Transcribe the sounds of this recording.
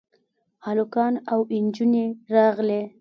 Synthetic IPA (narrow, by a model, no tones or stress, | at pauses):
ɑlʊkɑnawɪnd͡ʒuneɾɑɣle